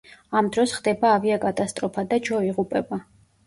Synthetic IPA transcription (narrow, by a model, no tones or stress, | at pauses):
amd̪ɾɔsχd̪ɛbaːviakʼat̪ʼast̪ʼɾɔpʰad̪ad͡ʒɔiʁupʼɛba